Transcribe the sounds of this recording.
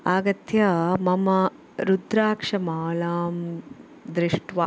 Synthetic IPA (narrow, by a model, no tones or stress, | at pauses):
aːɡɐt̪jɐmɐmɐ | ɾud̪ɾaːkʂɐmaːlaːm | d̪ɾiʂʈʋɐ